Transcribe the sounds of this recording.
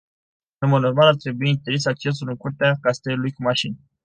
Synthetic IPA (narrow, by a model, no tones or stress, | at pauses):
emod̪normalart̪ɾe̞buiːint̪eɾisak̚t͡ʃe̞s̬ulɨŋkurt̪eakast̪e̞lulujkumaʃin